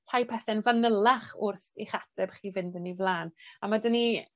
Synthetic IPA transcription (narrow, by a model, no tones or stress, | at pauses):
r̥ajpʰɛθɛnvanəlˠaχʊrθḭχatʰɛb̥χiːvɪndənivlˠaːnamadəni